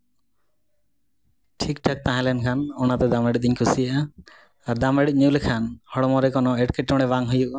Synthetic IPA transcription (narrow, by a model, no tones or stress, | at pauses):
ʈʰik̚ʈʰak̚t̪aɦãlɛnkʰanɔnat̪ɛd̪ameɽit̪̚d̪iɲkʰusijaʔa | aɾd̪ameɽit̪̚ˀɲulekʰanhɔɽɔmɔɾɛkɔnoeʈkeʈːɔɽ̃ɛβaŋɦujuʔ